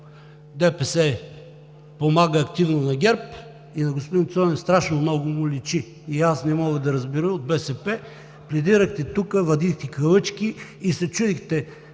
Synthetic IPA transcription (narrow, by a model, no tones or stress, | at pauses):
d̪ɛpɛsɛ | pomaɡəːkt̪ivnonɐɡʲɛɾp | inɐɡospod̪int̪sɔnɛst̪ɾaʃnomnɔɡʊmʊlʲit͡ʃi | iasnɛmɔɡəd̪ɐɾɐzbiɾəmod̪̚bɛsɛpɛ | plɛd̪iɾəxt̪ɛt̪ukəvɐd̪ixt̪ɛkɐlˠɤt͡ʃkiːsɛt͡ʃud̪ixt̪ɛ